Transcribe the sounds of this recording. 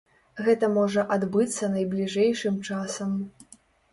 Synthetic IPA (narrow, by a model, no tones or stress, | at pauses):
ɣɛt̪ɐmɔʐɐʔad̪bɨt̪sːɐnɐjblʲiʐɛjʂɨmt͡ʂasɐm